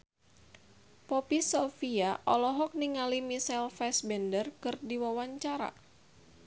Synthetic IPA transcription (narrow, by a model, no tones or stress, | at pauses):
pɔpisofiaʔɔlɔɦɔk̚niŋalimisɛlfɛsbɛndərkɨrdiwawaɲt͡ʃaɾa̰